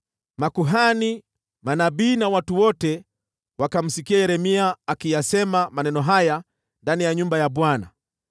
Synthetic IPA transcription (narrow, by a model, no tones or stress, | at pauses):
makuɦani | manabiːnawatuwɔtɛ | wakam̩sikiajɛɾɛmiaːkijasɛmamanɛnɔɦaja | ndanijaɲumbajaɓwana̰